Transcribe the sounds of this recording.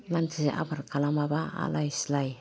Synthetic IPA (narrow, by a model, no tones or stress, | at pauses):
lantiseʔa̰baɾkalamaba̰ːlajslaj